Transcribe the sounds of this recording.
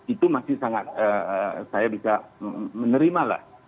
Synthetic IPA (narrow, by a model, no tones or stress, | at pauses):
it̪umasɪhsaŋat̪̚əəsajabisamənəɾimala̰h